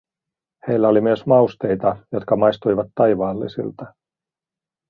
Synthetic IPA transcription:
he̞jlːæo̞limyøsmɑust̪e̞jt̪ɑjot̪kɑmɑjst̪ujʋɑt̪ːɑjʋɑːlːḭsḭlt̪ɑ

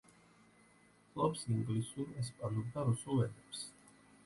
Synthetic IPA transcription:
pʰlˠɔpsiŋɡlisulˠɛspʼanubd̪aɾusulˠvɛd̪ɛps

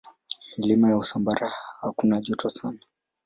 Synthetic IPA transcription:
hilimajausambaɾahakunaʄɔtʰɔsana

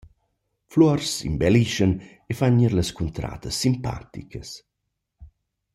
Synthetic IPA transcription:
flɔrsḭmbɛliʃən | efaɲiɾləskunt̪ɾa̰ːt̪əsːimpa̰t̪ikəs

